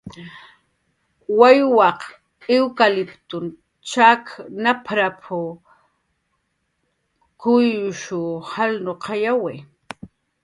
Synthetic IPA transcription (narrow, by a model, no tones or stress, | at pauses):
wajwɑq | ewkalɪpt̪ʊn | t͡ʃaknapʰɾapʰʊ | kʊjʃʊhalnoqʰɑjawe